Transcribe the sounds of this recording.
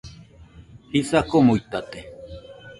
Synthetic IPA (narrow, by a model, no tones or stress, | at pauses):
hisakomojt̪at̪e